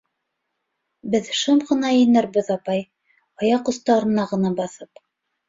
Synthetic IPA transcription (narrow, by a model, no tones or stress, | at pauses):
bɘðʃɤmʁɤ̆nɑjɤ̆nɘɾbɘðɑpɑj | ɑjɑqŏθt̪ɑɾɤ̆nɑʁɤ̆nɑbɑθɤp